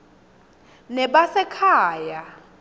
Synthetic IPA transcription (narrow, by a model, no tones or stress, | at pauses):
nɛɓasɛkʰaːja